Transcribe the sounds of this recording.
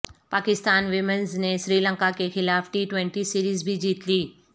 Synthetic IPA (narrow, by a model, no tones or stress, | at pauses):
paːkɪst̪aːnʋɪmənznẽsɾiːlə̃ŋkakexɪlaːfʈiːʈʋẽɳʈisiːɾiːzbʱid͡ʑiːt̪liː